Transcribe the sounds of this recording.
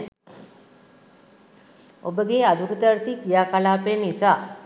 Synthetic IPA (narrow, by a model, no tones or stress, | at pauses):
obəɡead̪uɾut̪əɾsikijaːkalaːpenisaː